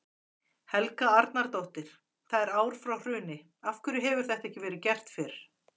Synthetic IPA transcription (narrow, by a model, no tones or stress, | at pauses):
hɛlkaaɾt̪naɾt̪owht̪ɪɾ̥ | θaðɛɾaːwɾ̥fɾawr̥ʏːnɪ | afkʏɾɪɦɛvʏɾ̥θɛht̪aɛhcɪvɛːɾɪcɛr̥t̪fɪɾɪɾ̥